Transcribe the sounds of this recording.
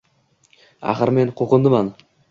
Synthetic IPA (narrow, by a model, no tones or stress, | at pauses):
a̰χɨɾmenqʰoqɨnd̪ɪman